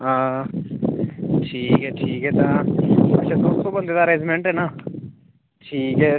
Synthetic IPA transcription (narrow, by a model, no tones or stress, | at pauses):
aː | ʈʰiːkɦɛːʈʰiːkɦɛːt̪aə̰t͡ʃʰad̪oːst̪õːbənd̪eːd̪aːɾẽːd͡ʒmẽːɳʈɦɛːnaː | ʈʰiːkɦɛː